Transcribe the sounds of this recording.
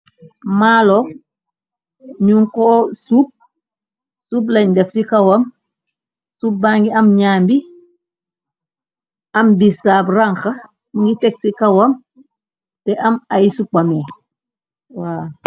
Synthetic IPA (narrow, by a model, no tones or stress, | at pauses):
maːlo | ɲuŋkoːsup̚ | suːb̬lɐɲdefsikawɐm | sup̚ːaŋɡiɐmɲaːmbi | ambisaːbraŋxa | ŋɡiteksikawam | tɛʔamajisupame | waː